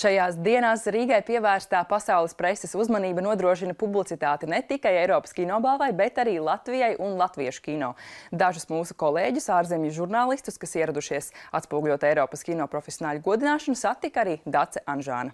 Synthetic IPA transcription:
ʃajaːsd̪iɛnaːsɾiːɡajpiɛvæːɾst̪aːpasawlˠispɾesɛsuzmaniːbɐnuɔd̪ɾuɔʃ̬inɐpublˠit̪it̪aːt̪inet̪ikajɛjɾɔːpɐ̥skʲinɔːbalˠvajbet̪aɾiːlˠat̪vijajʔunlˠat̪viɛʃu̥kʲinɔ̰ːd̪aʒusmuːsukɔlˠeːɟusaːɾzemjuʒuɾnaːlˠist̪uskasiɛɾad̪uʃiɛsat̪spuɔɡulʲuɔt̪ɛjɾɔːpɐskʲinɔːpɾɔfʲesʲijɔnaːlʲuɡuɔd̪inaːʃɐnusat̪ːikaɾiːd̪at̪sɛʔanʒa̰ːnɐ

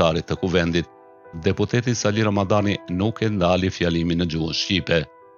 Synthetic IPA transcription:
aɾit̪ːəkuvɛnd̪it̪̚ | d̪ɛput̪ɛt̪isaliɾamad̪aninukɛnd̪alifjaliminəd͡ʒuənʃcipɛ

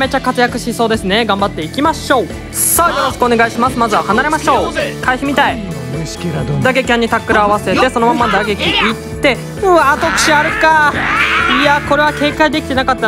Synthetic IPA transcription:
me̞t͡ɕakat͡sɨjakɯ̟ɕiso̞ːd̪e̞sɨne̞ɡãmbat̪ːe̞ikʲimaɕo̞ː | sajo̞ɾo̞ɕi̥kɯo̞ne̞ɡaiɕimasɨmazɨβahanaɾe̞maɕo̞ːkʰaiçimʲit̪ai | d̪aɡe̞kʲãɲ̟ːit̪akːɯ̟ɾaːβase̞t̪e̞so̞no̞mamːad̪aɡekʲiittt̪ːe̞ | ɯat̪okɯ̟̥ɕiaɾɯ̟ka | iako̞ɾe̞βake̞ːkaid̪e̞kʲi̥t̪e̞nakat̪ːa

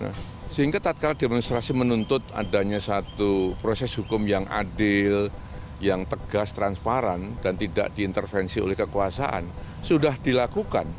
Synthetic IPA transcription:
na̰h | səɦiŋɡat̪at̪̚kalademɔnst̪ɾasimənunt̪ʊt̪̚a̰daɲasat̪upɾosɛsɦukʊmjaŋa̰dɪl | jaŋt̪əɡ̥ast̪ɾanspaɾand̥ant̪ida̰ʔd̥iːnt̪ərfɛnsio̰lɛhkəkuasa̰ʔa̰nsudahd̥ilakuka̰n

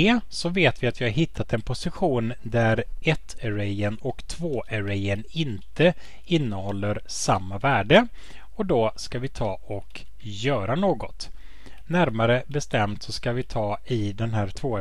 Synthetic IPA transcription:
ɛːsɔveːt̪vɪat̪vɪhaɾɦɪt̪ʰːat̪ɛnpʰʊsɪɧuːnd̪æɾɛt̪ʰːɛɾɛjənɔkt̪ʰvoːʔæɾɛjənɪnt̪ə | ɪnːəhɔlːəɾsamːavæːɖə | ɔd̪ɔskavɪt̪ʰɑːɔk | jœːɾanoːɡɔt̪ | næɾmaɾəbɛst̪ɛmt̪sɔskavɪt̪ʰɑːɪd̪ɛnɦæːɾʈ̪ʰvoː

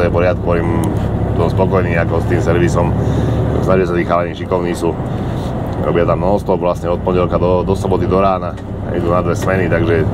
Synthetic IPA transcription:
ɔjɛpɔɾɪat̪̚kɔɔimt̪ɔspɔkɔjniːakɔst̪iːmsɛɾʋisɔmsnaʒiasat̪ixaːaɲiːʃikɔʊnisu | ɾɔ̰bɪat̪amnɔɦɔst̪ɔpʋlasɲɛɔt̪̚pɔɲɟɛlkad̪ɔd̪ɔsɔbɔt̪id̪ɔɾaːna̰ | ḭd̪uːnad̪ʋɛsmɛnit̪aɡʒɛ

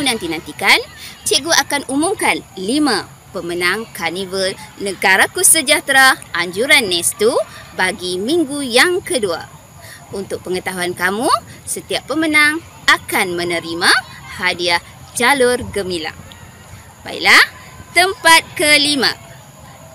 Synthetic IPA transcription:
unant̪inãnt̪ikant͡ʃiʔɡuakanumumkanlimã | pəmənãŋkanivəlnəɡaɾakusəd͡ʒat̪ɾaʔaɲd͡ʒuɾanːɛst̪ubaɡimiŋɡujaŋkədua̰ | unt̪ʊk̚pəŋət̪aɦuankamusət̪iapːəmənaŋ | akanmə̃nəɾimãhadia | t͡ʃalʊrɡəmila̰ŋ | pa̰ḭʔlah | t̪əmpat̪̚kəlimã̰

